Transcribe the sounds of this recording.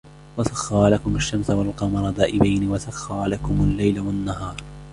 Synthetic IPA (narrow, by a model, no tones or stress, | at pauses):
wasaxːɑːlakʊmaʃːamsawalqɑmɑɾˤɑd̪aːʔɪbajniːwasaxːɑːlakʊmalːajlawanːahɑːɾˤ